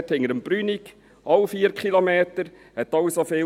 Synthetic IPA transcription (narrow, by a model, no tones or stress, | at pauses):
thɪŋəɾəmb̥ɾynik | ɑwfiːəɾkχilomeːtəɾ | hɛtːɑwsofeː